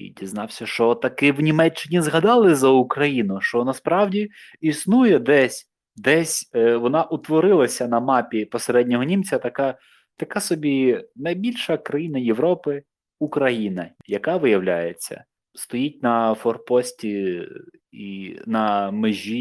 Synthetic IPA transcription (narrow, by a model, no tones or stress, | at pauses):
ḭdʲiznɑwsʲɐʃt͡ʃɔt̪ɐkɪwnʲimɛt͡ʃːɪnʲizɦɐd̪ɑlˠɪzɐʊkɾɐjinʊʃt͡ʃɔnɐspɾɑwdʲi | isnujɛd̪ɛsʲ | d̪ɛsʲʋɔnɑʔʊt̪ʋɔɾɪlˠɐsʲɐnɐmɑpʲipɔseɾɛdʲnʲɔɦɔnʲimt͡sʲɐt̪ɐka | t̪ɐkasɔbʲinɐjbʲilʲʃɐkɾɐjinɐjeʋɾɔpɪ | ukɾɐjinɐjɐkɑʋɪjɐwlʲajet͡sʲːɐ̰ | st̪ɔjit̚ʲnɐfɔrpɔsʲtʲi | inɐmɪʒʲi